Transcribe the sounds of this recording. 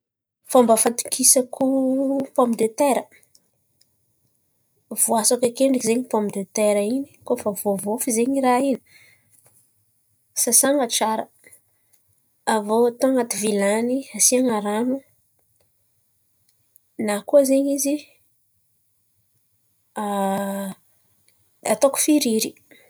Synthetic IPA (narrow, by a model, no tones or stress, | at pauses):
fombəfat̪u̥kʰisəkupampid̪et̪eɾə | v̥oasakekeɳɖ͡ʐəkizeɲipomid̪et̪eɾəini̥kofavovofizeɲiɾaini̥ | sasaŋaʈ͡ʂaɾə | avot̪oŋat̪ivilaniasiaŋaɾanu | nakuzeɲizi | a | at̪oku̥fiɾiɾi